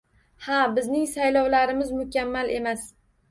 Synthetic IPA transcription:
habɪznɪŋsajlɒwlaɾɪmɪzmʊkʲamːalʔe̞mas

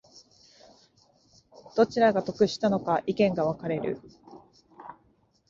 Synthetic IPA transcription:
d̪̥o̞t͡ɕiɾaɡat̪o̞kɯ̟ɕi̥t̪ano̞kaʔikẽ̞ŋɡaβakaɾe̞ɾɯ̟̰

